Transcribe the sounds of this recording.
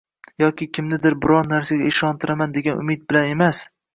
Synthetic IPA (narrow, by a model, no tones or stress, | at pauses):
jɒkʲɪkʲʰɪmnɪd̪ɪɾbɪɾɒɾnaɾsaɡʲaɪʃɒnt̪ʰɪɾamand̪eɡʲanʊ̰mɪt̪̚bɪlane̞mas